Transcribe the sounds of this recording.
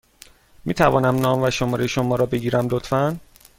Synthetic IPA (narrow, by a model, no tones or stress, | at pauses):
miːt̪ʰævɒ̰ːnæmnɒːmvæʃomɒːɾejʃomɒːɾɒːbe̞ɟiːɾæmlot̪ʰfæn